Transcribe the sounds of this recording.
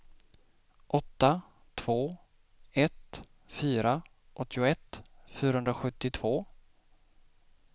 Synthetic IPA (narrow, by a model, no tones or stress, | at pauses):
ʔɔt̪ːa | t̪ʰv̥oː | ɛt̪ | fyːɾa | ʔɔt̪ːɪʊɛt̪fyːɾahɵnd̪ɾaɧɵt̪ːɪt̪ʰv̥oː